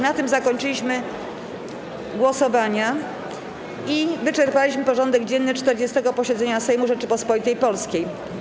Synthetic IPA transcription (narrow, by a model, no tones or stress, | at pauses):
nat̪ɘmzakɔɲt͡ʂɘlʲiɕmɘ | ɡwɔsɔvaɲa | ivɘt͡ʂɛɾpalʲiɕmɘpɔʐɔnd̪ɛɡd͡ʑɛnːɘt͡ʂt̪ɛɾd͡ʑɛst̪ɛɡɔpɔɕɛd̪zɛɲasɛjmuʐɛt͡ʂɘpɔspɔlʲit̪ɛjpɔlskʲej